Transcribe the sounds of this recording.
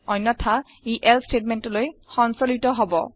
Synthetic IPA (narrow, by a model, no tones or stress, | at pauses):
ɔjnːɔtʰa | iʔɛlstet̚mɛntɔlojxɔnsolitɔɦɔbɔ̰